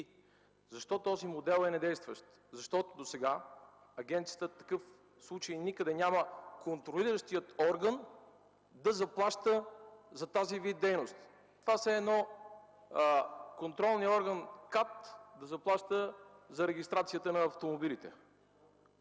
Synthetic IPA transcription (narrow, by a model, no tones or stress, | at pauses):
zɐʃt̪ɔt̪ɔzimod̪ɛlˠɛnɛd̪ɛjst̪vəʃt̪ | zɐʃt̪ɔt̪od̪osɛɡa | ɐɡʲɛnt̪sijət̪ət̪ːɐ̥kɤf | slˠut͡ʃəjnikəd̪ɛnʲaməkont̪ɾoliɾəʃt̪ijət̪ɔɾɡən | d̪ɐzɐplˠaʃt̪əzɐt̪azivid̪d̪ɛjnost̪ | t̪ovasɛːd̪nɔ | kont̪ɾɔlˠnijɔɾɡənkat̪d̪ɐzɐplˠaʃt̪əzɐɾɛɡʲist̪ɾat̪sijət̪ənɐːft̪omobilit̪ɛ̰